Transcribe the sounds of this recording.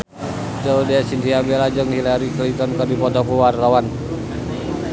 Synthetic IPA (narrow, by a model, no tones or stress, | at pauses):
t̪əudɛsint̪iabɛlad͡ʒəŋhilaɾiklint̪ɔnkərdipɔt̪ɔkuwarːawan